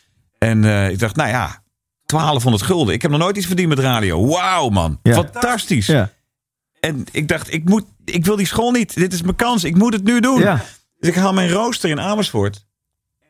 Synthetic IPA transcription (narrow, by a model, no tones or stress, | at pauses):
ɛnəɪɡ̚dɑχtnaja̰ | tʋaːlˠəfɦondəɹtχølˠdəɪkɦɛpnɔχnoːjtit͡ssfərdintmɛtraːdijo̰wwawmɑ̰nfɑntɑstis | ɛnɪɡ̚dɑχtɪk̚mut | ɪk̬ʋɪlˠdisχolˠnitdɪtɪsməkɑnsɪkmutətnydun | døsɪkɦaːlˠmɛjnrowstərɪnaːməsfʊɹt